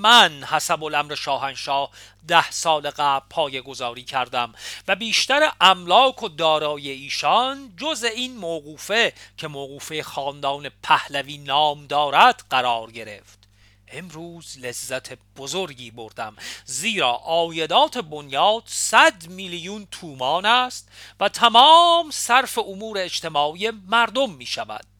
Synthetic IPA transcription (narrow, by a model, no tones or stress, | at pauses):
mænhæsæbo̞læmɾe̞ʃɒːɦænʃɒːh | d̪æhsɒːle̞ɣæpʰːɒːje̞ɡo̞zɒːɾiːcʰæɾd̪æmvæbiːʃt̪æɾeʔæmlɒːkʰod̪ɒːɾɒːjeiːʃɒnd͡ʒozeiːnmoːɣuːfe̞cʰe̞moːɣuːfejexɒːnd̪ɒːne̞pʰæhlæviːnɒːmd̪ɒːɾæd̪̥ɢæɾɒːɾɟe̞ɾe̞̰ft̪ | ʔe̞mɾuːzlezːæt̪ʰe̞b̥ozoɾɟiːbo̞ɾd̪æ̰mziːɾɒ̰ːʔɒːje̞d̪ɒːt̪ʰe̞bonjɒːd̪̥sæd̪milijunt̪ʰuːmɒːnæst̪væt̪ʰæmɒːmsæɾfe̞omuːɾe̞ːt͡ʃt̪e̞mɒːije̞mæɾd̪omːiːʃævæ̰d̪̥